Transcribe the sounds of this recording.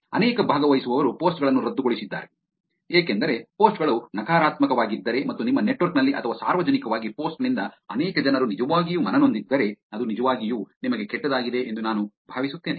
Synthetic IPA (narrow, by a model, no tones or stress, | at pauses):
ɐ̰nɛːkɐbʱaːɡɐʋɐjisuʋɐʋɐɾupoːsʈɡɐɭɐnːuɾɐd̪ːuɡoɭisid̪ːa̰ːɾe̞ | eːkend̪ɐɾe̞po̞ːsʈɡɐɭunɐkaːɾaːt̪mɐkɐʋaːɡid̪ːɐɾe̞mɐt̪ːunimːɐne̞ʈʋɐɾknɐlːiʔɐt̪ʰɐʋaːsa̰ːɾʋɐd͡ʒɐnikɐʋaːɡipo̞ːsʈnind̪ɐɐnɛːkɐd͡ʒɐnɐɾunid͡ʒɐʋaːɡijumɐnɐno̞nd̪id̪ːɐɾe̞ɐd̪unid͡ʒɐʋaːɡijuːnimɐɡe̞kɛʈːɐd̪aːɡid̪e̞ʔend̪unaːnubʱaːʋisut̪ːeːne